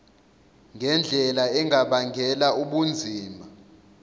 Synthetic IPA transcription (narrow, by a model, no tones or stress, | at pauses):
ŋɡʱɛnd͡ɮʱɛlaɛŋʱaɓaŋʱɛlauɓund͡zʱiːma